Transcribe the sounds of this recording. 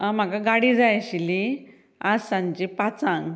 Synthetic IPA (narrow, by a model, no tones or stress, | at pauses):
am̤akaɡaɽid͡zajɕili | ad͡zsãɲd͡ʑipat͡sãŋɡ